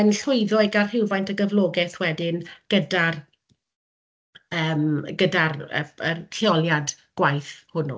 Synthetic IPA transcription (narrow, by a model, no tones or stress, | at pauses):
ənɬʊɨðɔɨɡarhɪwvajntʰəɡəvlˠɔːɡɛθwɛdɪnɡ̥ədar | əːmɡədarə̰əɬeɔlˠjad | ɡ̥wajθhʊnṵ